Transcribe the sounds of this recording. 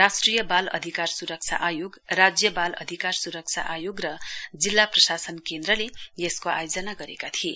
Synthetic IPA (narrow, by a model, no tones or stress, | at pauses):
rasʈrijʌbalʌ̰d̪ʱikarsuɾʌk̚t͡sʰa̰ʔajoɡrad͡zjʌbalʌ̰d̪ʱikarsuɾʌk̚t͡sʰa̰ʔajoɡrʌd͡zilːaprʌsasʌnkend̪rʌlejeskoa̰jod͡zʌnaɡʌɾekat̪ʰie